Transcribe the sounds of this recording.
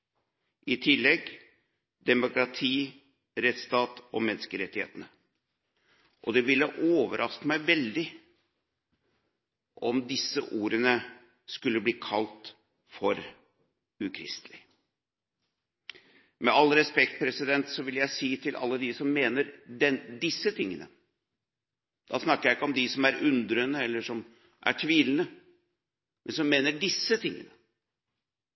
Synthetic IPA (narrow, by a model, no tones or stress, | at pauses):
ʔɪt̪ʰɪlːɛɡ | d̪ɛmʊkɾɑt̪ʰiː | ɾɛt̪st̪ɑːt̪ɔmɛnːskəɾɛt̪ːɪhḛːt̪ənə | ʔɔd̪ɛʋɪlːəʔoːʋəɾʔɑskəmæɪʋɛld̪ɪ | ʔɔmd̪ɪsːəʔuːɾənə | skʉlːəbliːkʰɑlt̪ | fɔɾ | ʉkʰɾɪ̰st̪lɪ | mɛɑlɾɛspɛk̚t̪̚pʰɾɛsɪd̪ɛnt̪sɔʋɪljæɪsiːt̪ʰɪlʔɑ̰lːəd̪ɪsɔmːeːnəɾɖɛnd̪ɪsːət̪ʰɪŋːənə̰ | d̪̥ɑːsnɑkːəɾjæɪɪkːəɔmd̪ɪsɔmæɾʉnd̪ɾənəɛlːəʂɔm | ʔæ̰ʈʰʋiːlnə | mʔɛnsɔmːeːnəɖɪsːət̪ʰɪŋːənə